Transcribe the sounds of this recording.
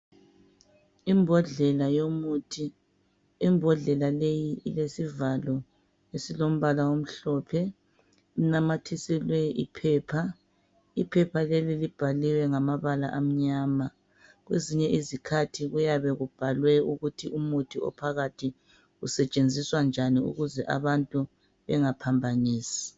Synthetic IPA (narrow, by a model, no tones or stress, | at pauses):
imbʱɔɮɛlajomutʰiː | mbʱɔɮɛlalejiilesivalɔ | esilom̩βalawom̩ɬɔːpʰɛ | inamatʰisilwɛḭpʰɛːpʰa | ipʰɛpʰalelilib̥ʱaliwɛŋamaβala̰ʔam̩ɲaːma | ɣweziɲɛʔizikʰatʰiɣujaβɛɣub̥ʱalwɛuɣutʰiʔumutʰiɔ̰pʰaɣatʰi | usɛt͡ʃʼend͡zʱiswand͡ʒʱaniṵɣuzɛʔa̰βantʼu | βɛŋapʰambʱaniːsi̥